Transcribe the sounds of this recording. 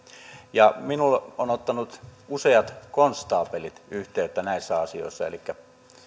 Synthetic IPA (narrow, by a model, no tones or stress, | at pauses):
jɑminulʔoːnot̪ːɑnut̪useɑt̪konst̪ˑɑːpelit̪yht̪eˑøt̪ːænæˑisːæɑsio̰ˑesːɑḛlikːæ